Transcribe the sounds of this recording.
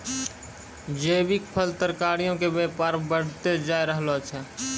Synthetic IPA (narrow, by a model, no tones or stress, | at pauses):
d͡ʒəːbɪk̚pʰəlt̪əɾkaːɾijõkebeːpaːɾbəɽ̤t̪ed͡ʒaːjɾəɦlot͡ʃʰɛ